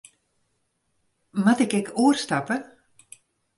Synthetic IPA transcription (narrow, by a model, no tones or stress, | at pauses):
matɪkɛkʰuərstapə